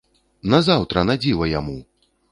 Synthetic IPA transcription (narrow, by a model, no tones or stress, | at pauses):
nɐzawt̪ɾɐnad͡zʲivɐjamu